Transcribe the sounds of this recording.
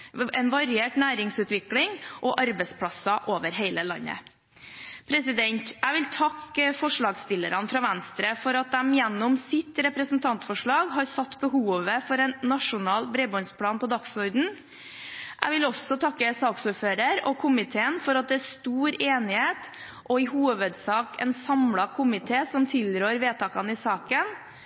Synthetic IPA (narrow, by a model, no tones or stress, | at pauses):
ɛnʋɑɾɪeːʈnæːɾɪŋsʉːt̪ʋɪklɪŋʔɔʔɑɾbɛɪspʰɽɑsɑʔoːʋəɾɦeɪləlɑ̰nːə̰ | pʰɾɛsɪd̪ɛnt̪æɪʋɪlt̪ʰɑkːfɔʂɭɑːɡst̪ɪlːəɾɑnfɾɑʋænst̪ɾəfɔɾɑt̪̚d̪ɛmjɛnːɔmsɪt̪ɾɛpɾəsn̩t̪ʰɑnt̪fɔʂɭɑːɡɦɑɾsɑt̪ːbəɦuːʋəfɔɾɛnːɑʂʊnɑːlbɾebɔnspʰlɑːnpɔd̪ɑksɔɾd̪n̩ | ʔæɪʋɪlɔsːɔt̪ʰɑkːəsɑːksuːɾføːɾəɾɔkʰʊmɪt̪ʰeːənfɔɾɑt̪̚d̪ɛæɾst̪uːɾeːnɪheːt̪ | ʔɔɪhuːʋəd̪sɑːkɛ̰nsɑmlɑkʰʊmɪt̪ʰeːsɔmt̪ʰɪlɾøːɾʋeːt̪ʰɑːkɑnɪsɑːkən